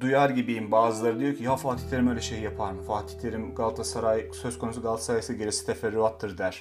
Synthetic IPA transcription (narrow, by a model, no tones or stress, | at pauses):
d̪ujaɾɟibiimbaːzɯlˠaɾɯd̪ijocʰijɦafaːt̪i̥çtlʲe̞ɾimøjlʲɛʃejijapʰaɾmɯfaːt̪ʰi̥tlʲe̞ɾimɡalˠt̪ʰasaɾajsøzkʰo̞nusuɡalˠt̪ʰḁsaɾajsiɟeɾisi̥t̪ʰefɛɾːyat̪ʰːɯɾd̪æɾ̥